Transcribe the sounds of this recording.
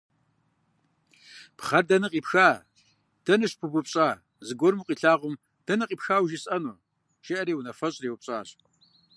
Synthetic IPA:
pχɐrdɐnɨqʼiːpxaː | d̥ɐnɨɕpʰɨbʊpɕʼaː | zɨɡʷɔrmuqʼiːɬaːʁʷʊm | d̥ɐnɨqʼiːpxaːwʒɪsʼɐnuː | ʒ̥ɪʔɐɾiːwnɐfɐɕʼreːwʊp̚ɕʼa̰ːɕ

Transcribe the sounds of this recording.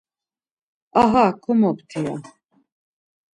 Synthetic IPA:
aɦakʰɔmɔpt̪ʰia̰

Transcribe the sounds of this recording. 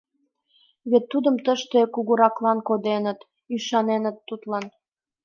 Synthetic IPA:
βet̪ːud̪əmt̪əʃt̪ekuɣuɾɑklɑnkod̪enət̪ | yʃɑnenət̪ːut̪lɑn

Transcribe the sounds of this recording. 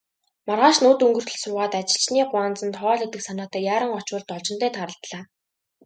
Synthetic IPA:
marʁaːʃnuːt̪ɵŋɡɵ̆r̥t̪ʰɵ̆ɮsʊːʁaːt̪at͡ɕɪ̥̆ɬt͡ɕniːɢʊant͡sə̆nt̪ʰɔɔːɮɵk̚t̪ɘ̆ksanaːt̪æːjaːɾə̆ŋɔt͡ɕʊːɮt̪ɔɮt͡ɕɪ̆n̥t̪æːt̪ʰaɾə̆ɬt̪ɮaː

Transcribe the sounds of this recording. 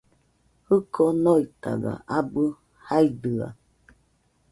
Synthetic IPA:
hɯkonoit̪a̰ɡa̰ʔabɨ | haid̪ɨa̰

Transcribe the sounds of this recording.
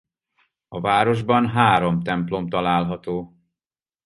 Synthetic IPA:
ɒvaːɾo̞ʒbɒnɦaːɾo̞mt̪ɛmplo̞mt̪ɒlaːlɦɒt̪oː

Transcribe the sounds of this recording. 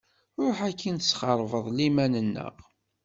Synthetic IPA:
ɾˤʊħækːinsːχəɾˤvəðˤlimænənːə̰ʁ

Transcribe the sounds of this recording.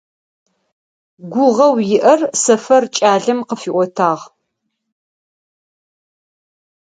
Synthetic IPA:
ɡʷʊʁɐwjɪʔɐrsɐfɐrt͡ʃʼaːɮɐmqəfiːʔʷɔtʰaːʁ

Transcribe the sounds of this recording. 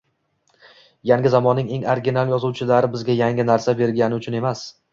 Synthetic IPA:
jaŋɡʲɪzamɒnːɪŋe̞ŋaɾɡʲinalˠjɒzuwt͡ʃʰɪlaɾɪbɪzɡʲajaŋʲɪnaɾsabe̞ɾɡʲanɪʊt͡ʃʰʊne̞mas

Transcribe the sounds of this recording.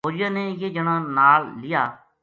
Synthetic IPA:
oːd͡ʒjãːnẽːjeːd͡ʒəɽ̃ãːnaːlːɪjaː

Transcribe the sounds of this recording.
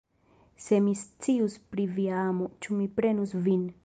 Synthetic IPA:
semist͡siuspɾiviaamot͡ʃumipɾenusvin

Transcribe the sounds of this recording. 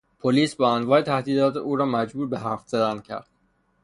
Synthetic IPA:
pʰoliːsbɒːænvɒːet̪ʰæhd̪iːd̪ɒːt̪ʰeuːɾɒːmæd͡ʒbuːɾbeɦæfzed̪æncʰæ̰ɾd̪̥̚

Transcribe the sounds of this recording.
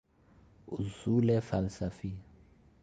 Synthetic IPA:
uzulɛfalsafiːja

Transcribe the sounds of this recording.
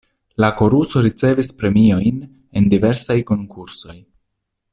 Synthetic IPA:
lako̞ɾuso̞ɾit͡se̞vispɾe̞mio̞jn | e̞ndive̞ɾsajko̞ŋkʰuɾso̞j

